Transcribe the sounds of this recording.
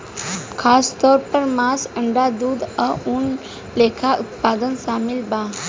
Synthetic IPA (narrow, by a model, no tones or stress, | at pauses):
kʰast̪ɔɾpəɾmasəɳɖad̪uːd̪əuːn | lekʰaʔut̪pad̪ənsamilba